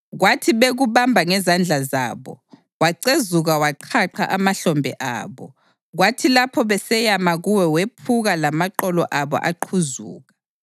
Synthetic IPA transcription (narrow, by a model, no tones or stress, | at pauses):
ɣwatʰiβeɣuβambʱaŋɛzand͡ɮʱaza̰ːβɔ̰ | waǀezuɣawaǃʰaǃʰaʔamaɬɔmbʱɛ̰ʔa̰ːβɔ | ɣwatʰilapʰɔβɛsɛjamaɣuwɛwepʰuɣalamaǃɔlɔʔaβɔ̰ʔaǃʰuzuːɣa